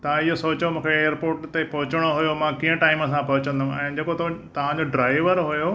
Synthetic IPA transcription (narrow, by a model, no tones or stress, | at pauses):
t̪ɐʋ̤ãijosoːt͡ɕomũːkʰeeːəɾpoːɾʈt̪epɐɦʊt͡ɕɪɽ̃oɦujomãkĩːə̃ʈaːɪməsãpɐɦʊt͡ɕə̃nd̪ʊũɛ̃ːd͡ʑeːkot̪ot̪ɐʋ̤ãɲd͡ʑoɖɾaːɪʋəɾɦujo